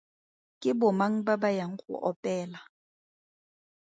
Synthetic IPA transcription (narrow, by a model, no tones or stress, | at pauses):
kʼɪbʊmaŋ̩babajaŋ̩χʊ̰ʔɔpʼɛːla